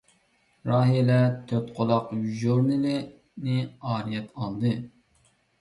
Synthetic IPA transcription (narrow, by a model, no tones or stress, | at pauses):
ɾɑːɦijelɛt̪ʰøt̪qʰolˠɑqʒuɾnɨlɪ | nɪɑːɾijɛt̪ɑlˠd̪ɨ